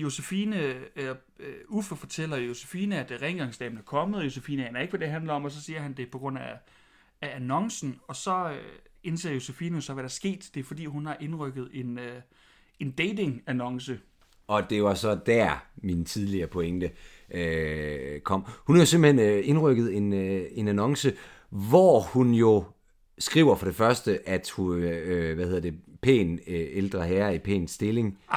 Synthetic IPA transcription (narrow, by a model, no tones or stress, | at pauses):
jo̝sefiːnə | ufəfɒ̽t͡sʰel̰ɐjo̝se̝fiːnəæd̥ʁɛŋɡ̥ɑ̈ŋsd̥ɛ̰ːnæɐkʰɒ̽məð̩ˠjo̝sefḭːnəhænæɐe̝ɡ̥ʋæd̥e̝ɦænlɐɒ̽mɒ̽sɒ̽siːɐɦænd̥e̝pʰɒ̽ɡ̥ʁɔ̽n̰æ | æænɒ̽ŋsn̩ɒ̽sɒ̽e̝nse̝ːɐjo̝sefiːnəjo̝sɒ̽ʋæɾ̥æɐsɡ̥e̝̰ːd̥d̥e̝fɒ̽d̥ḭːɦunhɑ̈ʔe̝nʁœɡ̥ð̞̩ˠe̝nø | e̝nd̥eɪde̝ŋænɒ̽ŋsə | ɒ̽d̥e̝ʋɑ̈sɒ̽d̥æɐmint͡sʰið̞ˠliɐːpʰo̽eŋd̥ə | ʔø | kʰɒ̽m̰hunhɑ̈jo̝semb̥lhene̝nʁœɡ̥ð̞̩ˠe̝ne̝nænɒ̽ŋsə | ʋɒhunjo̝ | sɡ̥ʁḭːʊɐfɒ̽ɾ̥e̝fɶɐsd̥əʔæd̥huʋæhe̝ð̰ˠɐd̥e̝pʰḛːneld̥ʁɐɦæːɐipʰḛːnsːd̥e̝le̝ŋ